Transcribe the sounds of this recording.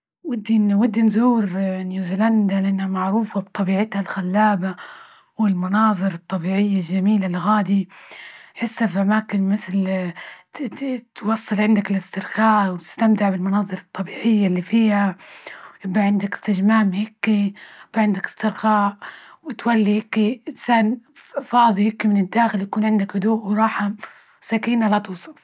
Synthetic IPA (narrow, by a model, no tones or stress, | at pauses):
wɪd̪ːinwɪd̪ːinzuːɾnjuːziland̪alɪʔanːhamaʕɾuːfabt̪ˤɑbiːʕɪt̪halxalːaːba | wɪlmɑnɑːðˤɨɾɑt̪ˤːɑbiːʕɪjːalʒamiːlalɣaːd̪i | ħɪsːafʔamaːkɪnmɪθl | t̪wɑsˤːɨlʕɪnd̪akɪlɪst̪ɪɾxaːʔwt̪ɪ̥st̪amt̪ɪʕbɪlmɑnɑːðˤɨɾˤɑt̪ˤːɑbiːʕɪjːalːifiːha | jɪbaʕɪnd̪akɪ̥st̪ɪd͡ʒmaːmhɪkːiɪbːaʕɪnd̪akɪ̥st̪ɪɾxaːʕwɪt̪walːihɪkːiɪnsaːnfɑːðˤihɪkːimɪnɪd̪ːaːxɪljakuːnʕɪnd̪akhʊd̪uːʔwɾˤɑːħam | sakiːnalat̪ɨːsˤɑl